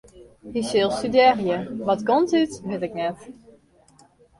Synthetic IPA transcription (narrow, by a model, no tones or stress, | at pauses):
hisɪlˠstydɛrjəʋɔtkɔntytʋɪtɪknɛt